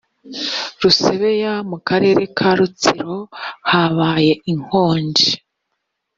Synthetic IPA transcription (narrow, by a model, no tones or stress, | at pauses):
ɾuse̞βe̞jamukaɾe̞ːɾe̞kʰaɾut͡siɾo̞haβaːje̞ʔiŋ̥ho̞ːɲɟi